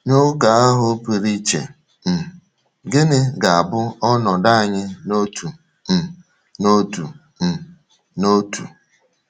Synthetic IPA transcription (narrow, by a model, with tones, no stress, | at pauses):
no˦ka˨a˦ɦʊ˦pi˨ɾi˦t͡ʃḛ˨ | m̩˨ | ɡɪ˦nɪ˦ɡa˨a˨bʊ˦ɔ˦nɔ˨da˦a˨ɲɪ˦no˦tʰu˨ | m̩˨ | no˦tu˨ | m̩˨ | no˦tʰṵ˨